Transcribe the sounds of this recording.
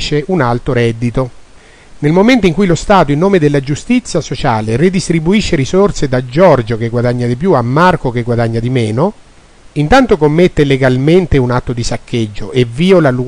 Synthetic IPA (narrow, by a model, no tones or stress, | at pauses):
t͡ʃːeʔunalt̪oɾɛd̪ːit̪o | nelmoment̪oiŋkujlost̪aːt̪oinːoːmed̪elːad͡ʒust̪it̪sːjasot͡ʃaːlerid̪ist̪ɾibuiʃːeɾisort̪sed̪ad͡ʒːɔrd͡ʒok̟eɡwad̪aɲːad̪ip̬juamːarkok̟eɡwad̪aɲːad̪imɛːno | int̪ant̪okomːet̪ːeleɡalment̪eunat̪ːod̪isakʰːed͡ʒːo̰ʔeviːolalːu